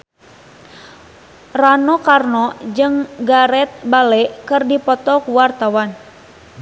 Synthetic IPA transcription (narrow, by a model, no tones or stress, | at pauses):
ranɔkarnɔd͡ʒɨŋɡaɾɛt̪̚balɛkɨrdipɔt̪ɔkuwart̪awan